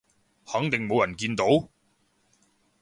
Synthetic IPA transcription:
hɐ˨˥ŋt̪ɪ˨˩ŋmo˨˧wjɐ˨˩nkiː˧nt̪o˨˥w

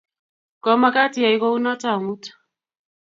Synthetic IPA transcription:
kɔ˨˦ma˦ka˦ti˨a˨i˦kɔ˦u˦nɔ˦ta˨ŋu˦t

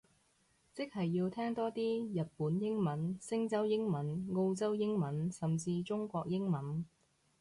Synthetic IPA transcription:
t͡sɪ˥k̚hɐ˨jːi˧wt̪ʰɛː˥ŋt̪ɔː˥t̪iː˥jɐ˨t̚puː˨˥njɪ˥ŋmɐ˨˥nsɪ˥ŋt͡sɐ˥wjɪ˥ŋmɐ˨˥nŋo˧wt͡sɐ˥wjɪ˥ŋmɐ˨˥nsɐ˨mt͡siː˧t͡ʃʊ˥ŋkʷɔː˧k̚jɪ˥ŋmɐ˨˥n

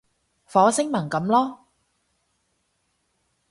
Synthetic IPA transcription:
fɔː˨˥sɪ˥ŋmɐ˨˩ŋkɐ˨˥mlɔː˥

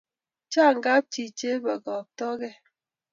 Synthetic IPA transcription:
t͡ʃa˦˨ŋ̩˨ɡa˦p̚t͡ʃi˨t͡ʃe˦bɔ˨ɡɔ˨p̚tɔ˦ɡɛ˦

